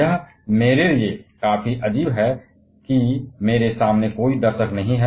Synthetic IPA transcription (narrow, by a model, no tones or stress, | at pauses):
jɐɦ | meːɾeliekaːfiʔɐd͡ʒiːbɦɛ | kimeːɾesaːmnekoːid̪ɐɾʃəknɐɦĩɦɛ